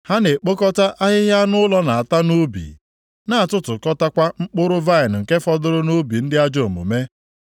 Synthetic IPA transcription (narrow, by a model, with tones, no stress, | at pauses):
ha˦ne˨k͡po˦kɔ˦ta˦ʔa˦ɦɪ˦ɦja˦nʊ˦lɔ˦na˨a˨ta˦nu˦bḭ˨ | na˦˨tʊ˦tʊ˨kɔ˦ta˦kʷa˦ŋ͡m̩˦k͡pʊ˦ɾʊ˦va˦ɪ˨n˨ŋ̩˨ke˦fɔ˦dʊ˦ɾʊ˦nu˦bi˨n̩˦dɪ˦a˦d͡ʒo˦˨mṵ˨me˦